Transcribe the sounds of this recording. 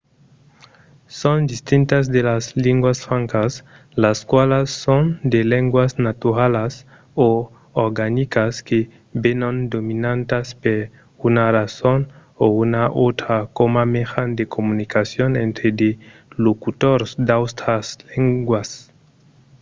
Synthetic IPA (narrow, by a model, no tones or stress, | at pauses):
sõnd̪ist̪int̪azd̪elazliŋɡwasfãŋkas | laskwalasːond̪eleŋɡwaznat̪uɾalas | o | oɾɡanikaske | benãnd̪ominãnt̪aspeɾ | unarasonounaʔot̪ɾakomamexand̪ekomunikasjonẽnt̪ɾed̪elokut̪oɾsd̪awst̪ɾasleŋɡwas